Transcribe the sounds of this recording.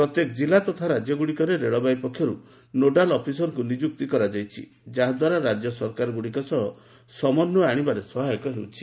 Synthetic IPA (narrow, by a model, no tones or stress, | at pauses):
pɾɔt̪jekɔd͡ʒilat̪ɔt̪ʰaɾad͡ʒjɔɡuɽikɔɾeɾeɭɔbajpɔkʰːjɔɾu | noɖalɔpʰisɔɾɔkunid͡ʒuk̚t̪ikɔɾad͡ʒajt͡ʃʰḭ | d͡ʒaɦɔd̪waɾaɾad͡ʒjɔsɔɾkaɾɔɡuɽikɔsɔɦɔ | sɔmɔnːɔaɽ̃ibaɾesɔɦaɔkɔɦewt͡ʃʰi̥